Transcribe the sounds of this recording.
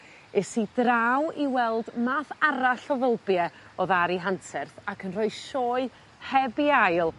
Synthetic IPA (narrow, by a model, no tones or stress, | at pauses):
ɛsidrawiwɛlˠdmaːθaɾaɬɔðəlˠbjɛɔðaɾiɦantʰɛrθakʰənrɔɨʃɔːɨ | hɛbiajlˠ